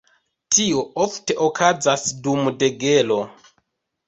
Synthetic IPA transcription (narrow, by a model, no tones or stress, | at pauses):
tʰioofte̞ʔokʰad͡zasdumde̞ɡe̞lo̞